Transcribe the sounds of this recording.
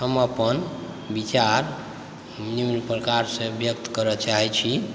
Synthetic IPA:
ɦəməpən | bit͡ʃaɾ | mnimlpɾəkaɾsẽbjək̚t̪kəɾət͡ʃaɦɛt͡ʃʰi

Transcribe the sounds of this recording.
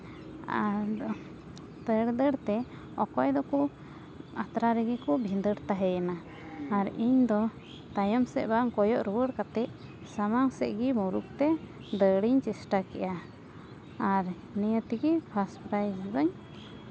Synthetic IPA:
a | t̪əɽd̪əɽt̪ɛ | ɔkɔjd̪ɔkɔ | at̪ɾaɾɛɡikɔbʱĩd̪əɽt̪aɦɛjanaː | ɾiɲd̪ɔ | t̪ajɔmsɛ̰ʔbaŋkɔjɔʔɾuwəɽkat̪ɛʔ | samaŋsɛ̰ʔɡimuɾuk̚t̪ɛ | d̪əɽiɲt͡ʃɛsʈakɛ̰ʔaː | ɾ | nɛjət̪iɡipʰaspɾajd͡ʒib̪əɲ

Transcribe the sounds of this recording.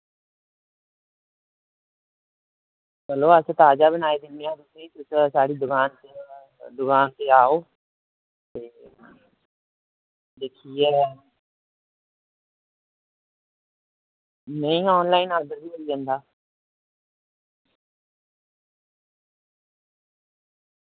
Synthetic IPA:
bəloːəst̪aːd͡ʒaːbənaːeːd̪ɪnːeãɾʊseĩːt̪ʊssaːɽiːd̪ʊkaːnt̪ | d̪ʊkaːnt̪eːaːoː | t̪eː | d̪eːkʰiːɛː | nəĩːɔːnlaːiːnaːd̪əɾbiːəɾiːd͡ʒə̃ːnd̪aː

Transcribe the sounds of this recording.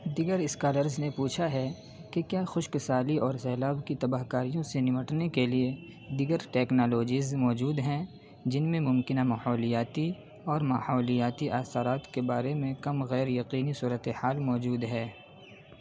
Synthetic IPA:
d̪iɡəɾɪskaːləɾznepuːt͡ʃʰaɦɛ | kekjaːxʊʃkɪsaːliʔɔːɾsɛːlaːbkit̪ɐbaːɦkaːɾijõsenɪməʈnekelie | d̪iːɡəɾʈɛːknaːloːd͡ʒiːzmɔːd͡ʒuːd̪ɦɛ̃ | d͡ʒɪnmẽmʊ̃mkɪnamaːhɔːlijaːt̪i | ɔːɾmaːhɔːlijaːt̪iʔaːsaɾaːt̪kebaːɾemẽkɐmɣɛːɾjɐqiːnisuːɾət̪ehaːlmɔːd͡ʒuːd̪ɦɛː

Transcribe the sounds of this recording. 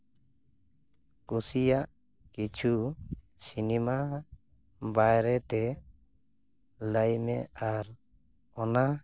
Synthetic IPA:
kusijaʔ | kit͡ʃʰu | sinima | bajɾɛt̪ɛ | ləjmɛ̰aɾ | ɔna

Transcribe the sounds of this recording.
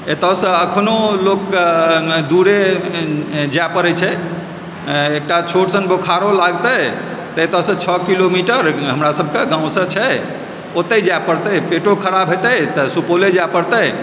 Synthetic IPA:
et̪əsə̃əkʰnolok | d̪uɾe | d͡ʒapəɾɛt͡ʃʰɛ | ek̚ʈat͡ʃʰoʈsənbokʰaɾolaɡt̪ət̪əet̪ɔsə̃t͡ʃʰɔkilomiʈəɾɦəmɾasəb̚ʱkeɡãʊ̃sə̃t͡ʃʰɛ | ot̪ːəjd͡ʒapəɾt̪əjpeʈokʰəɾabʱet̪ət̪əsupoled͡ʒapəɾt̪əj

